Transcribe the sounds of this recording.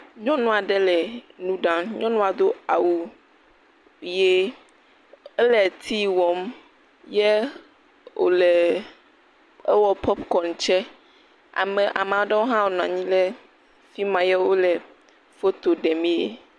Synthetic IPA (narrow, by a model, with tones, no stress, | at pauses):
ɲɔ̃˦nũ˦a˨ɖɛ˦lɛ˨nũ˦ɖã˦ɲɔ̃˦nũ˦a˨d̪o˦a˨wu˨ | je˦ | ɛ˦lɛ˨t̪ʰi˦wɔ˨m | jɛ˦ | wo̰˨lɛ˨ | ɛ˦wɔ˦pʰɔ˦pkɔ˨n˨t͡ʃɛ˦ | a̰˨mɛ̃˨ʔa̰˨m˨ã˨wo˦ɖɛ˦wo˦ɦã˦wo˨ñ˨ã̰˨ɲĩ˦lɛ˦ | fi˦mã˨jɛ˦wo˦lɛ˨ | fo˦t̪o˨ɖɛ˨mĩ˦e˦